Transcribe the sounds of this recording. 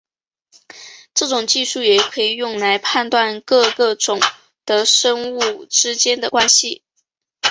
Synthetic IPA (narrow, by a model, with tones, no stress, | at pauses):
ʈ͡ʂɤ˥˩ʈ͡ʂʊ˨˩ŋt͡ɕi˥˧ʂu˥˩jɛ˨˩kʰɤ˧˥i˨˩jʊ˥˩ŋla˧˥ɪpʰa˥˧nt̪wa˥˧nkɤ˥˧kɤ˥˩ʈ͡ʂʊ˨˩ŋ | d̪̥ə˨ʂɤ˥ŋu˥˩ʈ͡ʂɻ̩˥t͡ɕjɛ˥nd̪ə˨kwa˥nɕi˨